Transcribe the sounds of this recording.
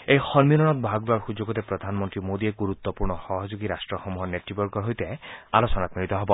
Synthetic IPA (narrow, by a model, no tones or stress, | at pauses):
ejxɔnmilɔnɔt̪̚bʱaɡɾuaɹxud͡ʒoɡɔt̪epɾɔd̪ʱanmɔnt̪ɾimod̪ieɡuɾut̪ːɔpuɹɳɔxɔɦɔd͡ʒoɡiɾasʈɹɔxɔmuɦɔnet̪ɾibɔɾɡɔɾɦojt̪ealɔsɔnat̪milit̪ɔɦɔbɔ